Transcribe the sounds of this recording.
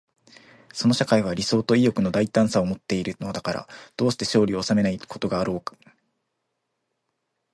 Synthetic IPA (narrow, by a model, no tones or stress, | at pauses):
so̞no̞ɕakaiβ̞aɾʲiso̞ːt̪o̞ijo̞kɯ̟no̞d̪ait̪ãɰ̃sao̞mo̞t̪ːe̞iɾɯ̟no̞d̪akaɾa̰d̪̥o̞ːɕi̥t̪e̞ɕo̞ːɾʲiːsame̞naikʰo̞t̪o̞ɡaːɾo̞ːkɯ̥